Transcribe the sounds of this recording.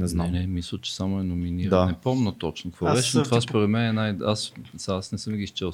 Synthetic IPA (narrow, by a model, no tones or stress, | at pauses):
nɛznanɛmislˠət͡ʃɛ̥samoɛnominiɾd̪anɛpɔmnət̪ɔt͡ʃnokvovɛt͡ʃɛnt̪ovaspoɾɛt̪mɛnɛnajassasnɛsəmɡist͡ʃɛlˠ